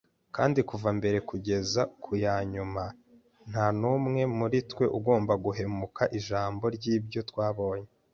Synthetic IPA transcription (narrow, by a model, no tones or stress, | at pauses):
kaːndikuvambe̞ɾe̞kuɟe̞zakʰujaːɲuma | n̥hanumŋe̞muɾitwe̞ʔuɡo̞ːmbaɡuɦe̞mukʰaʔiʒaːmbo̞ɾɟiːbjo̞twaːβo̞ːɲe